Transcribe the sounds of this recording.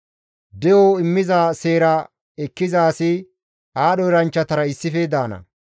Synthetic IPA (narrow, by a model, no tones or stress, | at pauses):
d̪ɛjoɪmːɪzaːse̞ːɾa | ɛkːɪzaːsɪ | aːɗɔɾɐnt͡ʃːɐt̪ɐɾɐɪsːɪfed̪aːnɐ̰